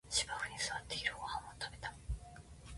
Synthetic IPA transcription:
ɕibakɯ̟ɲ̟isɨβat̪ːeiɾɯ̟hoãmot̪abe̞t̪ḁ

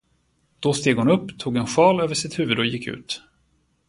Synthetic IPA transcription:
d̪̥ɔst̪eːɡhʊnɵpːt̪ʰuːɡɛnɧɑːløːvəʂɪt̪hʉ̟ːvɵd̪ɔjɪkʰːʉ̟̰ːt̪

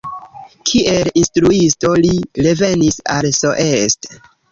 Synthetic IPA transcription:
kʰiʔe̞linstɾuisto̞liɾe̞ve̞nisa̰lso̞ʔe̞st

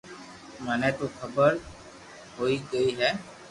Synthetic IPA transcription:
mənɛt̪okʰəbəɾ | ɦoːiɡəiːɦɛː

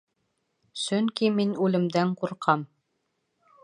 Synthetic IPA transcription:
sɵŋkiminʉlɘ̆md̪æɴquɾqʰɑm

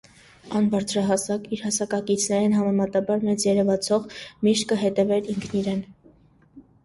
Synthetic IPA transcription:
ɑnbɑɾt͡sʰɾɑɦɑsɑkiɾhɑsɑkɑkit͡sʰnɛɾɛnɦɑmɛmɑt̪ɑbɑɾmɛt͡sjɛɾɛvɑt͡sʰɔʁmiʃt̪̚kəɦɛt̪ɛvɛɾiŋkʰniɾɛn

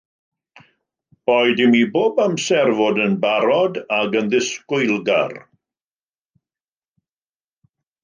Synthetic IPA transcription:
b̥ɔjdɪmiboːbamsɛrvɔdənbaɾɔdaɡənðɪskʊjlˠɡa̰r

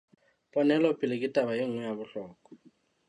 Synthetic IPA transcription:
pʼɔnɛlɔpʼɪlɪkʼɪtʼabajeŋ̩ŋwɛjabʊɬɔːkɔ̥

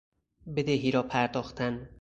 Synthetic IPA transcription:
bed̪eɦiːɾɒːpʰæɾd̪ɒːxt̪ʰæn

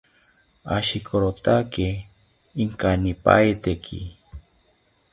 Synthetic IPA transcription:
a̰ʃikʰoɾot̪akiː | ŋkanipa̰jt̪ekʰḭ

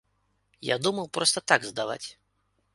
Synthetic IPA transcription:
ja̰d̪umɐwpɾɔst̪ɐt̪aɡzd̪ava̰t͡sʲ

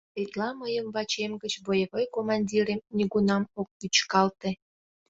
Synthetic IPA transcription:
et̪lɑməjəmβɑt͡ɕemɡət͡ɕbojəβojkomɑnʲdʲiɾemnʲiɣunɑmok̚lyt͡ɕkɑlt̪e

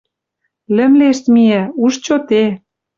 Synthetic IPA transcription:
lɘ̆mleʃt̪mijæ̆uʃt͡ɕot̪e

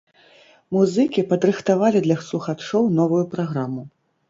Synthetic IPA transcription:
muzɨkʲipɐd̪ɾɨxt̪avalʲid̪lʲɐslˠuxat͡ʂɔwnɔvujupɾaɣɾamu

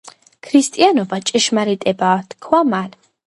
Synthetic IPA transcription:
kʰɾist̪ʼianɔbat͡ʃʼɛʃmaɾit̪ʼɛbaːt̪kʰwaman

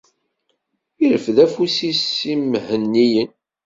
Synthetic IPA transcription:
iləfðæfusisimhənːijən

